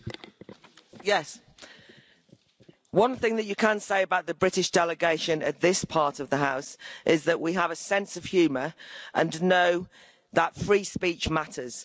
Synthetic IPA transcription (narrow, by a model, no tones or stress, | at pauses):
jɛs | wʌ̃nθɪ̃ŋðət͡ʃəkʰə̃nseɪəbaʊʔ̪̚ðəbɹɪtɪʃd̥ɛlɪɡeɪʃə̃nə̰ʔðɪspʰɑˑtəvðəɦaʊsʔɪzðəʔwiəvəsɛ̃nsəv̥hjʉːməɹʔə̰̃nːoʊ | ðətfɹiːspiˑt͡ʃmatʰəz̥